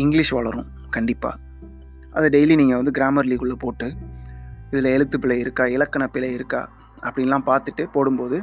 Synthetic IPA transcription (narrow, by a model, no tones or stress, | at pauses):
ɪŋɡlɪʂʋɐɭɐɾʊ̃ | kɐɳɖɪpːa̰ː | ʔɐðɐɖɐjliniːŋɡɐʋɐnd̪ɯɡɾaːmɐɾliːkɯɭːɐpoːʈːɯ | ɪðɪlɐɛɭɯt̪ːɯpɪɭɐjɪɾɯkːaːɪlɐkːɐɳɐpɪlɐjɪɾɯkːa̰ː | ʔɐpːɐɽɪnɛlːãːpaːɾt̪ɯʈːɯpoːɽɯmpoːðɯ